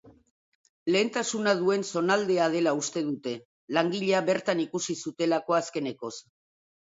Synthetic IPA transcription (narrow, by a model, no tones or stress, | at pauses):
le̞ːnt̪asunað̞ue̞nso̞nald̪e̞að̞e̞laust̪e̞ðut̪e̞ | laŋɡiʎeaβe̞ɾt̪anikusisut̪e̞lako̞aske̞ne̞ko̞s